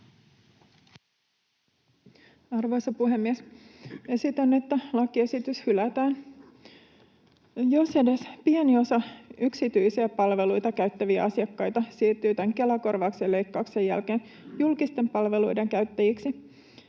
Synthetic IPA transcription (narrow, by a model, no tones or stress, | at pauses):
ɑrʋo̞jsɑpuɦe̞mːiese̞sit̪ænːet̪ːælɑkie̞sit̪yshylæt̪æːn | jo̞se̞de̞spienio̞sɑyksit̪yjsiæpɑlʋe̞lujt̪ɑkæɥt̪ːæʋiæ̰ɑsiɑkːɑjt̪ɑsiːrt̪yːt̪æŋke̞lɑko̞rʋɑksele̞jkːɑukse̞jæ̰lkeːn | julkist̪e̞mpɑlʋe̞lujde̞ŋkæɥt̪ːæjiksi